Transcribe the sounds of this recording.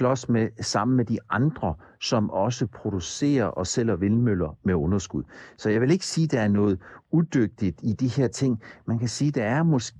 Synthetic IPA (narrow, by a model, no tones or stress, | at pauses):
lɒ̽smesɑ̈m̰n̩med̥iʔɑ̈nd̥ʁɐ | sɒ̽mɒ̽səpʰʁo̝d̥use̝̰ːɐʔɒ̽sel̰ɐʋe̝lmølɐmeɔ̽nɐsɡ̥uð̰ˠsɒ̽jɑ̈ʋe̝le̝ɡ̥ə̥siːd̥ææɐnɔ̽ːð̞̩ˠud̥øɡ̥̚d̥id̥id̥iheɐ̰t͡sʰe̝ŋ̰mænkʰæsiːd̥ɑæɐmɔ̽s